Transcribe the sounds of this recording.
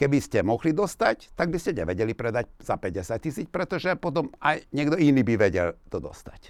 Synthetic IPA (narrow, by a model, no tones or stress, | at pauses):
kɛbiscɛmɔɣlid̪ɔst̪act̪aɡbiscɛɲɛ̰ʋɛɟɛlipɾɛd̪ac̚z̥apɛɟɛsac̚tːisiːt͡spɾɛt̪ɔʒɛpɔt̪ɔmajɲɛɡd̪ɔiniːbiʋɛɟɛ̰lt̪ɔd̪ɔ̰st̪ḁc